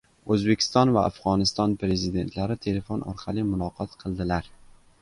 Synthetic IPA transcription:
ɵzbe̞kʲʰɪ̥st̪ɒnvaafʁɒnɪst̪ɒnpɾe̞zɪd̪e̞nt̪ʰlaɾɪt̪ʰe̞le̞fonʔɒ̰ɾqʰɑlɪmʊnɒqʰɒt̪qʰɨlˠd̪ɪlaɾ

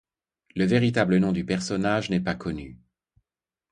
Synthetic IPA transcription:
ləveʁit̪ablənɔ̃d̪ypɛʁsɔnaʒnɛpakʰɔny

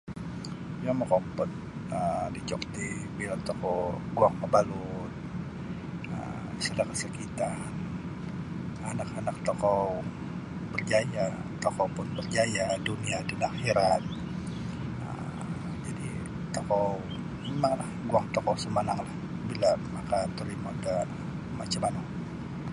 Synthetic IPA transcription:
bjamokɔpɔt̪̚ədit͡ʃɔkt̪ihbilat̪ɔkɔɡuaŋkəbalut̪ | ə̰msadakəsəkit̪an | anakanak̚t̪okɔ | bərd͡ʒajat̪okɔpʊnbərd͡ʒajaduniadanaxiɾan | ə̰ | d͡ʒadḭ | t̪okɔ | emaŋlahɡuaŋt̪okɔsəmanaŋlah | bilamakat̪əɾimada | mat͡ʃamanaŋ

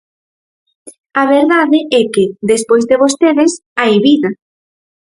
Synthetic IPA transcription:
aβeɾðaðɪʔɛkɪðespojzðeβ̞ost̪eðɪsaeβiðɐ

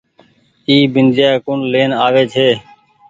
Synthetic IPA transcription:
iːbɪnd͡ʒjaːkʊɳleːnaːʋeːt͡ʃʰeː

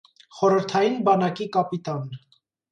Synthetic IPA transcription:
χɔɾəɾt̪ʰɑjinbɑnɑkikɑpit̪ɑn

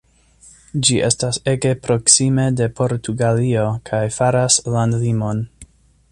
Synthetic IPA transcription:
d͡ʒiʔe̞̰stase̞ɡe̞pɾo̞ksime̞de̞pʰo̞ɾtʰuɡalio̞kʰajfaɾaslandlimo̞n

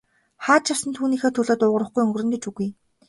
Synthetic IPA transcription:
χaːt̪t͡ɕʰawsə̆nt̪ʰuːniːxeːt̪ʰɵɮoːt̪ʊʁə̆rə̆χɡujɵŋɡɵ̆rɘ̆nɡ̪et͡ɕuɣuj

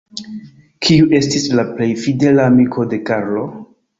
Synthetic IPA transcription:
kʰiuʔe̞stislaple̞jfide̞laːmikʰo̞de̞kaɾlo̞

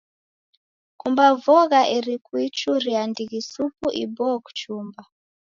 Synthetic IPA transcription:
kumbavɔɣaʔɛɾikwit͡ʃuɾiandiɣisupuʔḭbɔku̥t͡ʃumba

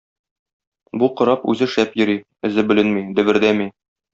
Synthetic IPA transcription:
buqŏɾɑpʉ̰zɘʃæpjɵ̆ɾi | ɘ̆zɘbɘ̆lɘnmid̪ɘ̆bɘ̆ɾd̪æmi

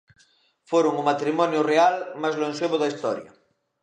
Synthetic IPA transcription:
foɾʊŋumat̪ɾimɔnjʊrealmazloenseβʊðɐist̪ɔɾjɐ̰

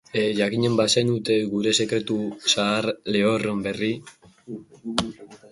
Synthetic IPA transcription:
ʝakiɲe̞mbasenut̪e̞ɣuɾe̞se̞kɾe̞t̪usaːɾleoro̞mbe̞ri

